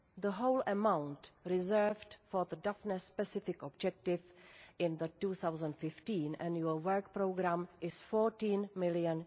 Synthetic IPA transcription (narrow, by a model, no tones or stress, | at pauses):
ðəɦowləmawntɾɪzɛ˞vdfɔðədafnəspɛsɪfɪkɔb̚d͡ʒɛk̚tɪvʔɪ̃nðətuːθawzə̃ntfɪftĩːnʔænjuəlwɜ˞k̚pɾoʊɡɾamʔɪsfɔːɹtĩːnmɪlijə̃n